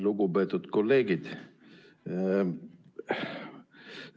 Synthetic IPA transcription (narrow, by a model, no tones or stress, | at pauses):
luɡubeːt̪ːˑut̪kolːeːɡid̪